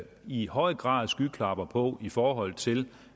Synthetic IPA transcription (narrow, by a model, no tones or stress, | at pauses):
ihɒ̽ɪɡ̥ʁɑ̰̈ːðˠsɡ̥ykʰlɑ̈b̥ɐpʰɒ̽ifɒːɦɒ̽l̰t͡sʰe̝l